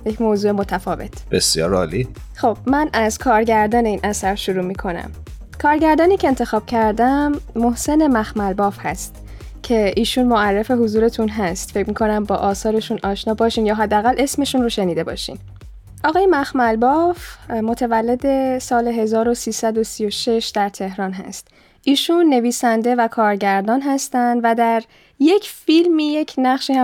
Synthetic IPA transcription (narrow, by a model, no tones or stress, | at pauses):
jecʰmoːzuːe̞mo̞t̪ʰæfɒːve̞t̪ʰb̥esjɒ̰ːɾɒ̰ːli | xob̥̚mænʔæzkʰɒːɾɟæɾd̪ɒːneiːnʔæsæɾʃuɾuːmiːkʰo̞næ̰m | kʰɒːɾɟæɾd̪ɒːniːcʰe̞ːnt̪ʰe̞xɒːb̥̚cʰæɾd̪æmːohse̞ne̞mæxmælbɒːfhæ̰st̪ | cʰe̞ʔiːʃunmoærːe̞fe̞ɦuzuːɾe̞t̪ʰunɦæst̪fe̞cʰmiːkʰo̞næmbɒːʔɒːsɒːɾe̞ʃunʔɒːʃnɒːbɒːʃiːmjɒːɦæd̪ːeæɣælʔe̞sme̞ʃunroʃe̞niːd̪e̞bɒ̰ːʃḭːn | ʔɒɣɒːjemæxmælbɒːfmo̞t̪ʰævælːe̞d̪e̞sɒːleɦe̞zɒːɾo̞siːsæd̪o̞sijo̞ʃe̞ʃd̪æɾt̪ʰe̞hɾɒːnɦæ̰st̪ | ʔiːʃunːe̞viːsænd̪e̞vækʰɒːɾɟæɾd̪ɒːnɦæst̪ænd̪væd̪æɾ | jecʰfilmiːje̞cʰnæχʃiːhæ